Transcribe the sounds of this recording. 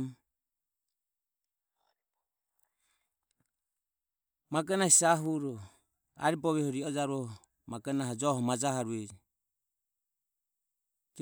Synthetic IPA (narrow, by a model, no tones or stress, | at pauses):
maɡɛnahisaɦuɾɔ | a̰ɾibɔβɛhɔɾiɔd͡ʒaɾɔ | maɡanaɦɔd͡ʒɔhɔmad͡ʒaɦaɾuɛd͡ʒi | d͡ʒ